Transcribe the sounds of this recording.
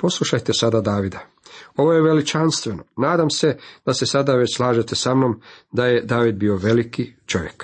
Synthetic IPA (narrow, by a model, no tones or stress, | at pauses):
po̞sluʃajt̪esad̪ad̪aːʋid̪a | o̞ʋo̞jeʋe̞lit͡ʃanst̪ʋeno̞naːd̪amsed̪̥ase̞sad̪aʋe̞t͡ɕslˠaːʒet̪esamno̞md̪aje̞d̪aːʋid̪̚biːo̞ʋe̞likit͡ʃo̞ʋje̞k